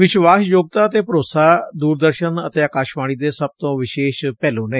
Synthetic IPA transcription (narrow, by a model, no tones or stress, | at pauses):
ʋɪʃʋaːsjoːɡ̚t̪aːət̪eːpəɾoːsaːd̪uːɾd̪əɾʃənə̰t̪eːaːkaːʃʋaːɽ̃iːd̪eːsəb̚t̪õːʋɪʃeːʃpɛːlõːneː